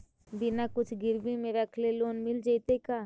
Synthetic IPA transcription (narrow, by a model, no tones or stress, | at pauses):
bɪnaːkʊt͡ʃʰɡɪɾmimẽʋɛkʰleloːnmɪld͡ʒait̪ekaː